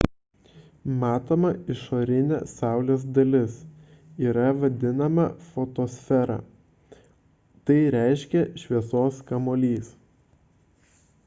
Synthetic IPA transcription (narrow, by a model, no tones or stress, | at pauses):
mɑːt̪oːmɐɪʃoːɾʲɪnʲɛ̰sɑˑʊlʲeːsd̪ɐlʲɪs | iːɾɐʋɐd̪ʲɪnɐmɐfoːt̪oːsʲfʲɛɾɑ̰ː | t̪ɐɪɾʲæˑɪʃʲkʲɛʃʲʋʲiɛsoːskɐmoːlʲiːs